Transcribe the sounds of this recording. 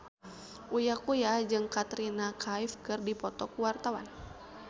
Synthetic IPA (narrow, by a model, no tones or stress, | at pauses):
ʔujakujad͡ʒɨŋkat̪ɾinakʰaifkɨrdipɔt̪ɔkuwart̪awa̰n